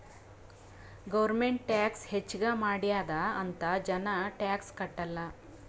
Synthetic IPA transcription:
ɡɐʋɾmeɳʈʈjaːkshet͡ʃːɡaːmaːɽijaːd̪aːnt̪ɐd͡ʒɐnɐʈjaːkskɐʈːɐlːɐ

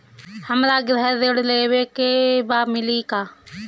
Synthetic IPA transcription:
həmɾaːɡɪɾəɦədeɽleːʋeːkeːbaːmɪliːkaː

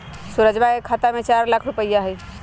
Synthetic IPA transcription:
suɾəd͡ʒbaekʰat̪amet͡ʃaɾlakʰɾupəjːaɦəj

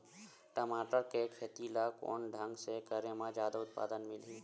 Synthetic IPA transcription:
ʈəmaːʈəɾkekʰet̪ilako̰ːnɖʱə̃ŋɡsekəɾəmãd͡ʒjaːd̪aʊt̪̚pa̰ːd̪ənmɪlɦiː

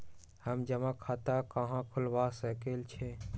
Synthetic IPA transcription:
həmd͡ʒəmãkʰat̪akəɦãkʰʊlʋasəkelt͡ʃʰẽ

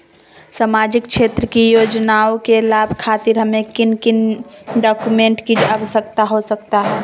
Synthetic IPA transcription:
samaːd͡ʒɪkʃʰeːt̪ɾəkijoːd͡ʒnaokelaːbʱkʰaːt̪iɾɦəmekɪnkɪnɖɔːkumẽɳʈkid͡ʒabsəkt̪aɦosəkt̪aɦɛ

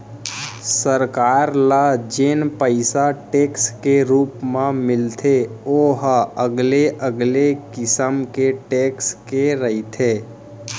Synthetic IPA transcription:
səɾkaːɾlad͡ʒenpəɪsaʈeːkskeɾuːpmãmɪlt̪ʰeoɦəɡleʔəɡlekɪsəmkeʈeːkskeɾəit̪ʰeː

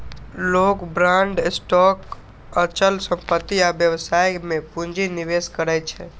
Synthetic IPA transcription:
lokbɾãɳɖsʈɔk | ət͡ʃəlsə̃mpət̪ːiaʋjəʋsajmẽpũɲd͡ʒinɪʋeskəɾajt͡ʃʰe

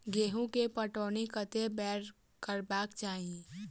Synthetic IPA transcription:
ɡeːɦũkepəʈoːnikət̪ebɛːɾ | kəɾbaːkt͡ʃaːɦĩ

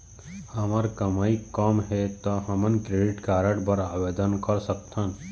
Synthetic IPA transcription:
həməɾkəmaikɔmɦet̪ɔɦɐmənkɾeɖɪʈkaːɾəɽbəɾaːbed̪ənkəɾsəkt̪ʰən

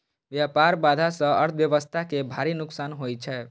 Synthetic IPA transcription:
ʋjapaɾbad̪ʱasə̃ə̰ɾt̪ʰbjəʋəst̪ʰakebʱaɾinʊksanɦojt͡ʃʰɛ

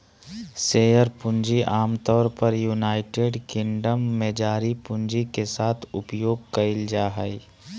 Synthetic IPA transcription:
seːjəɾpʊ̃nd͡ʒiʔaːmt̪ɔːɾpəɾjuːnaːɪʈeːɖkɪ̃ɳɖəmːẽd͡ʒaːɾipʊ̃nd͡ʒikesaːt̪ʰʊpjoːɡ̚kɐɪld͡ʒaːɦəi

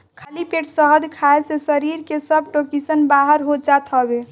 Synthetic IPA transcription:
kʰəlipeʈsəɦəd̪ʱkʰaesesəɾiɾkesəb̚ʈokisənbaɦəɾɦod͡ʒat̪ɦəbe

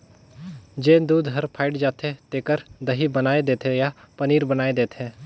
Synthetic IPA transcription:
d͡ʒẽːd̪uːd̪ɦɐɾpʰaːɪɖd͡ʒaːt̪ʰet̪eːkəɾd̪ɐɦibənaːed̪eːt̪ejapəniːɾbənaːed̪eːt̪ɦẽː

